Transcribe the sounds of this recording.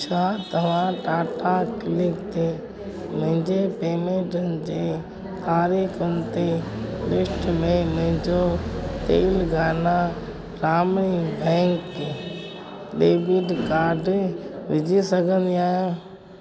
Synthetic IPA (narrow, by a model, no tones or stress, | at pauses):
t͡ʃʰaːt̪ɐʋ̤ãʈaːʈakɪlɪkt̪e | mə̃ɦɪ̃ɲd͡ʑepeːmẽːʈənɪ̆d͡ʑeː | t̪aːɾiːxənɪt̪elɪsʈmẽmʊ̃ɦɪ̃ɲd͡ʑot̪eːlɡaːnã | ɾaːmɽ̃ibʱɛ̃ːŋk | ɗeːbud̪kaːɾɖʋɪd͡ʑʱisɐɡʱə̃nd̪iaːjõ